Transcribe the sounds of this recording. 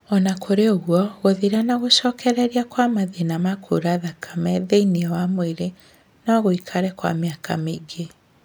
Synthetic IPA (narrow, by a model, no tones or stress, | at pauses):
ɔnakʰoɾeoɣwɔɣoðeɾanaɣoɕɔːkʰɛɾɛɾiakwamaðenamakʰo̰ɾaðakʰamɛðeiniɔwamweɾe | naɣoikʰaɾɛkwa̰meaka̰meiɡe